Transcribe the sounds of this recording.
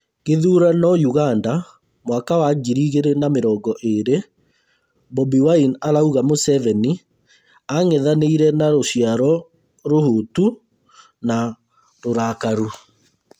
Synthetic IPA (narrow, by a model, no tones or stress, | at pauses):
ɣeðuɾanɔjuɣanda | mwakawaɡiɾiɣeɾenameɾɔːɡɔʔeɾe | bɔbiwainaɾauɣamosɛvɛni | aŋɛðaneiɾɛnaɾoɕiaɾɔ | ɾohotu | na | ɾoɾakaɾu